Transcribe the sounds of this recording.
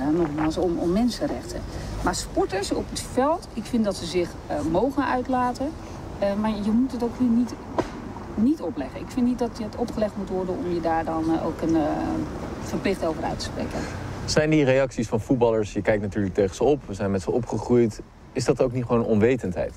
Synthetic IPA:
ɛnɔχmaːlˠsɔmɔmːɛnsənrɛχtə̰nmaːɹspɔɹtəɹsɔpətfɛlˠtɪkfɪndɑtsəzɪχ | mowχənʔœɥtlaːtə | maːɹjəmutətowkɦiːɹnit | nitɔplɛχənɪkfɪntnitdɑtəətɔpχəlɛχtmutʋɔɹdənɔmjədaːɹdɑno̰wkən | fəɹplɪχtowvəɾœ̰ɥtə̥sprḛjkə̰nsɛjndirejɑksisfɑnfut̚bɑləɹsjəkɛjk̚tnatyːɹlək̚tejχənz̥əɔpʋəzɛjnmɛtsəɔpχəχrujt | ɪzdɑtowk̚nitχʋownɔnʋejtəntɦɛ̰jt

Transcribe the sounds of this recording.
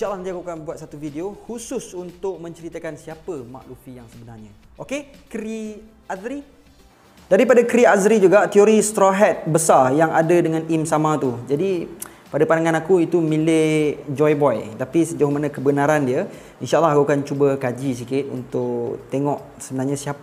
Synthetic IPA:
inʃaʔəlːɑhəniakukanbuat̪̚sat̪ufideohusʊsunt̪ʊk̚mə̃ɲt͡ʃəɾit̪əkansiapəma̰ʔlufijaŋsəbənarɲa | ʔoke | kɾi | azɾi | daɾipadakɾiazɾid͡ʒuɡaʔt̪ioɾist̪ɾoɦɛt̪̚bəsarjaŋadədəŋãnʔimsamãt̪ud͡ʒadi | padapanaŋãnakuit̪umĩlɪhd͡ʒɔjbɔjt̪apisəd͡ʒaumanakəbənaɾandiə | inʃaʔəlːaɦakukant͡ʃubəkad͡ʒis̬ikɪt̪̚ṵnt̪ʊʔt̪eŋɔʔ | səbənarɲasiapə

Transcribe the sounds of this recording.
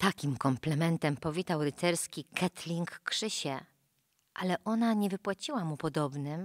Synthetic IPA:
t̪akʲimkɔmplɛmɛnt̪ɛmpɔvʲit̪awɾɘt̪sɛɾskʲikʰɛt̪lʲiŋkːʂɘɕɛ | ʔalɛʔɔnaɲɛvɘpwat͡ɕiwamupɔd̪ɔbnɘm

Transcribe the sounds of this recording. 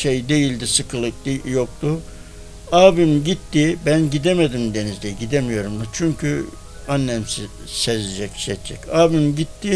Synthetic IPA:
ʃejd̪e̞jilʲd̪isɯkʰɯlˠɯk̚d̪ijok̚t̪ʊ | aːbimɟit̪ːibænɟid̪emed̪imd̪enizd̪ɛɟid̪emijo̞ɾumd̪at͡ʃʰyɲcʰy̰ | anːɛmsi | sɛzid͡ʒɛcʃɛt̪d͡ʒʰɛcaːbymɟit̪ːi

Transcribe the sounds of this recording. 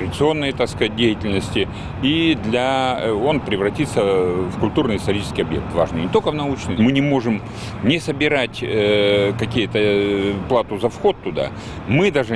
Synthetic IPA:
ɾədʲɪt̪sɨo̞nːəjət̪akskɐzat̚ʲdʲejɪtʲɪlʲnəsʲtʲɪ | id̪lʲɐo̞npɾʲɪvɾɐtʲit̪səvkʊlʲt̪urnɨjɪst̪ɐɾʲit͡ɕɪskʲɪjɐbjek̚t̪va̰ʐnɨjnʲɪt̪okəvnɐut͡ɕnɨjmɨnʲɪmo̞ʐɨm | nʲɪsəbʲɪɾatʲəkɐkʲijʊt̪əplˠat̪ʊzɐfxo̞t̪ːʊd̪a̰ | mɨd̪aʐɨ

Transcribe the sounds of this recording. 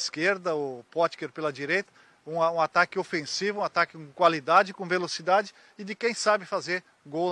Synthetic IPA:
skeɾd̪ɐʊpɔt͡ʃ̪keɾpelɐd͡ʒiɾejt̪ɐ | ũaũat̪akɪofẽsivʊ̃ũat̪akɪkõkwalid̪ad͡ʒɪkõvelosid̪ad͡ʒɪ | ɪd̪ɪkẽj̃sabɪfazeɾ | ɡo

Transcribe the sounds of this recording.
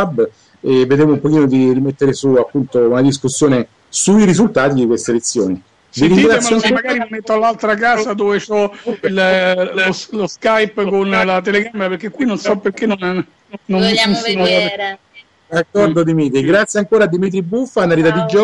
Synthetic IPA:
abː | evːed̪ɾemoumpok̟iːnod̪irimet̪ːeɾesuapːunt̪ounad̪iskusːjoːne | suiɾizult̪aːt̪id̪ikwest̪elet̪sːjoːni | viɾiŋɡɾatsjamaɡaːɾimimet̪ːoalːalt̪ɾakaːzad̪oːvet͡ʃɔil | loskajpkonlat̪eleɡameɾapeɾk̟ekːwinonsɔpːerkenːon | nonmiɛnso | d̪akːɔrd̪od̪imiːt̪ɾiɡɾat̪sːjeaŋkoːɾaːd̪ːimit̪̬ɾibufːanːaɾit̪ad̪id͡ʒɔ

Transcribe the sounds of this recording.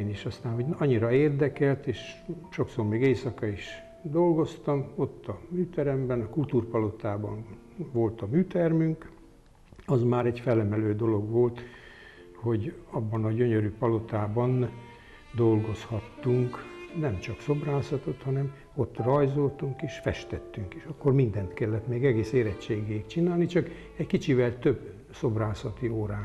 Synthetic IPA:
niʃɒst̪aːnɦo̞ɟnɒɲːiɾɒeːrd̪ɛkɛlt̪eːʃʃo̞ksormeːɡeːsɒkɒiʃ | d̪o̞lɡo̞st̪ɒmo̞t̪ːɒmyːt̪ɛɾɛmbɛnɒkult̪uːrpɒlo̞t̪aːbɒn | ʋo̞lt̪ɒmyːt̪ɛrmyŋk | ɒzmaːɾɛɟfɛlːɛmɛløːd̪o̞lo̞ɡʋo̞lt̪ | ho̞ɟɒbːɒnɒɟø̞ɲøɾypɒlo̞t̪aːbɒn | d̪o̞lɡo̞shɒt̪ːuŋknɛmt͡ʃɒkso̞braːsɒt̪o̞t̪hɒnɛm | o̞t̪ːrɒjzo̞lt̪uŋkeːʃfɛʃt̪ɛt̪ːyŋkiʃɒkːo̞rmind̪ɛnt̪kɛlːɛt̪meːɡɛɡeːseːɾɛt͡ʃt͡ʃːeːɡeikt͡ʃinaːlnit͡ʃɒk | ɛɟkit͡ʃivɛlt̪ø̞b | so̞braːsɒt̪ioːɾaː

